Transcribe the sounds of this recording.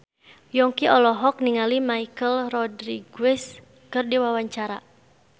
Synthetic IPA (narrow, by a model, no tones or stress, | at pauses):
jɔŋkiʔɔlɔɦɔk̚niŋalimaikəlrɔdɾiɡwɛs | kərdiwawaɲt͡ʃaɾa̰